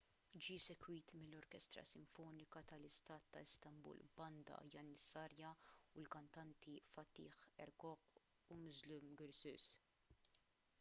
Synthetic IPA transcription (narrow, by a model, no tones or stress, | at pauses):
d͡ʒiːsɛkwiːt̪mɪlːɔɾkɛst̪ɾɐ̰sɪɱfɔːnɪkɐt̪ɐlɪst̪ɐːt̪ːɐɪst̪ɐmbṵːlbɐnd̪ɐ̰jɐnːɪsːɐːɾjɐulkɐnt̪ɐnt̪ifɐt̪ːḭːħɛɾkɔq | umʊzlumɡɪɾsʊ̰s